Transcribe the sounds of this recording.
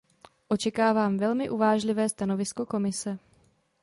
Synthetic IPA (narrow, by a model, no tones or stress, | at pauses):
ʔo̞t͡ʃɛkaːvaːmvɛlmɪʔuvaːʒlɪvɛːst̪ano̞vɪsko̞ko̞mɪsɛ